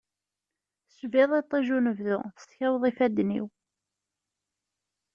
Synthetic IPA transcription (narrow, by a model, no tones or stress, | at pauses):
svɪðˤet̪ˤːiʒunəvðʊ̰θəst̪çæwðˤifæd̪ːnḭw